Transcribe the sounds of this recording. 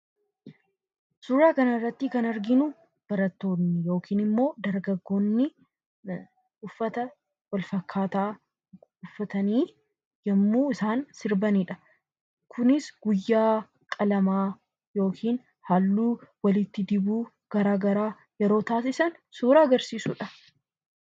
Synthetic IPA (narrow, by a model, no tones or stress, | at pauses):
suːɾaːkɐnɐɪrːɐt̪ːɪkɐnɐɾɡɪnʊ | b̥ɐɾɐt̪ːo̞ːnːɪjo̞ːkʰiːnɪmːo̞ːd̪ɐɾɡɐɡːo̞ːnːɪ | ʊfːɐt̪ɐ | wɐlfɐkʰːaːt̪aː | ʊfːɐt̪ɐniː | jɐmːuːɪsaːnsɪɾbɐniːᶑɐ̥ | kʰʊnɪsɡʊjːaː | kʼɐlɐmaː | jo̞ːkʰiːn | halːuːwɐlɪt̪ːɪd̪ɪbuː | ɡ̥ɐɾaːɡɐɾaː | jɛɾo̞ːt̪aːsɪsɐnsuːɾaːɐɡɐɾsiːsʊᶑɐ